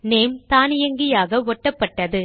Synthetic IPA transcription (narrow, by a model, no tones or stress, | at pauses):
neːmt̪aːnɪjɐŋɡɪjaːɣɐʋɔʈːɐpːɐʈːɐðɯ